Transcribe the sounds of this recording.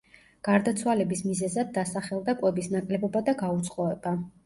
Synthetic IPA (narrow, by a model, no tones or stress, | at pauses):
ɡ̥aɾd̪at̪sʰwalɛbismizɛzad̪̚ːasaχɛlˠd̪akʼwɛbisnakʼlɛbɔbad̪aɡaut̪sʰʼχʼɔɛba